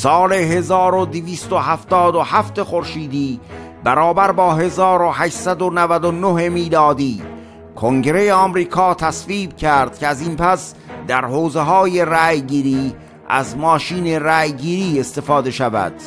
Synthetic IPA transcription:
sɒːle̞ɦe̞zɒːɾod̪iviːst̪ohæft̪ɒːd̪ohæft̪e̞xo̞ɾʃiːd̪iː | bæɾɒːbæɾbɒːɦe̞zɒːɾohæʃsæd̪onævæd̪onoɦe̞miːlɒːd̪iː | kʰoŋɟɾe̞jeɒːmɾiːkʰɒːt̪ʰæsviːb̚cʰæɾd̪̥̚cʰʲeæziːnpʰæs | d̪æɾhoːzeɦɒːje̞ræjɡiːɾiː | ʔæ̰zmɒːʃiːne̞ræːjɡiːɾiːe̞st̪e̞fɒːd̪e̞ʃævæ̰d̪̥

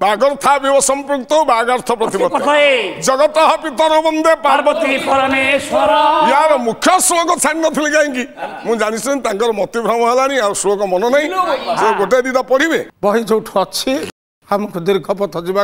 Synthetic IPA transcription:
baɡɔɾt̪ʰabibɔsɔmpɾuk̚t̪ɔbaɡaɾt̪ʰɔpɾɔt̪ibɔɔed͡ʒɔɡɔt̪ɔɦɔpit̪ɔɾɔbɔnd̪epaɾbɔt̪ipɔɾɔnesɔɾɔjjaɾɔmukʰjɔsɾokɔt͡ʃʰaɽ̃inɔt̪ʰilikaɦĩŋkimũd͡ʒaɽ̃isent̪aŋkɔɾɔmɔt̪ibʱɾɔmɔɦelaɽ̃iausɾokɔmɔnɔnaɦĩd͡ʒeɡoʈed̪it̪apɔɽibebɔɦid͡ʒowʈʰɔt͡ʃʰi | hamɔ̃kʰud̪iɾikʰɔpɔt̪ʰɔd͡ʒiba

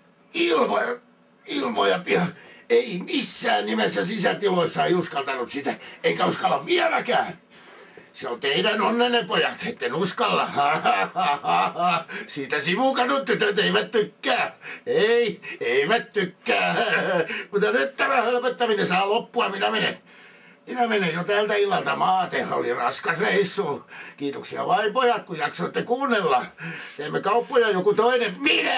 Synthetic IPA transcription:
ilmojɑ | ilmojɑpihɑeimisːæːnnimesːæsisæt̪iloisːɑeiuskɑlt̪ɑnussit̪æeikæuskɑlːɑʋʋiælækæːn | seont̪eidænonːenːepojɑt̪et̪ːenuskɑlːɑɑɑɑɑɑsiːt̪æsimukɑnutt̪yt̪øt̪eiʋæt̪t̪ykːæːeieiʋæt̪t̪ykːæː | mut̪ːɑnyt̪t̪æmæhølpøt̪ːæminesɑːlopːuɑminæmenḛ | minæmenejjot̪ælt̪æilːɑlt̪ɑmɑːt̪ehæ̰o̰lirɑskɑsreisːuːkiːt̪oksiɑ̰ʋɑipojɑt̪kujjɑksoit̪ːekuːnːelːɑːt̪eːmːekɑupːojɑjokut̪oinemminæ

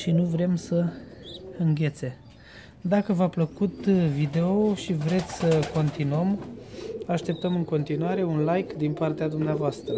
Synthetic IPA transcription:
ʃinuvɾe̞msə | ɨŋɡʲe̞t̪se̞ | d̪akəvapləkut̪vid̪eoʃivɾe̞t̪sʲsəko̞nt̪inuəm | aʃt̪e̞p̚t̪əmɨŋko̞nt̪inuaɾe̞unlajkd̪inpart̪ead̪umneavoast̪ɾə

